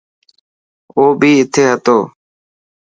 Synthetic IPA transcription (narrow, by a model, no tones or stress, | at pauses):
oːbʱiːɪt̪ʰeːɦət̪oː